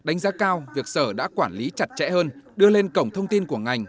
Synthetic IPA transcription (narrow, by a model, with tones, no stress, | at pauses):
ɗa˨˦ŋ̟zaː˨˦kaː˧wvi˨˩ək̚səː˧˩ɗa̰ː˧˥kwaː˧˩nli˨˦t͡ɕa˨˩t̚t͡ɕɛ̰˧˥həː˧nɗɨ˧əle˧nkə˧˩wŋ͡mt̪ʰə˧wŋ͡mt̪i˧nku˧˩əŋa˨˩jŋ̟